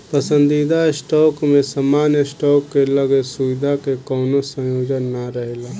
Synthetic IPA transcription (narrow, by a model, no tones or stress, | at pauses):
pəsə̃nd̪id̪aɪsʈɔːkmẽsmaːnjəsʈɔːkːeləɡesuʋɪd̪ʱakekɔːnosə̃joːd͡ʒənːaɾəɦelaː